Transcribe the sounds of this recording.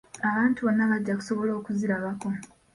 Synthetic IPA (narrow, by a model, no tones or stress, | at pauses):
aβaːntuβo̞nːaβaɟːaku̥so̞βo̞lo̞ːkuziɾaβako̞